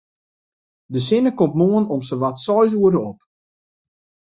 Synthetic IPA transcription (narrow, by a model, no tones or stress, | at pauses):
dəs̬ɪnəkɔmpmoənɔmsəʋatsɔjs̬uədəɔp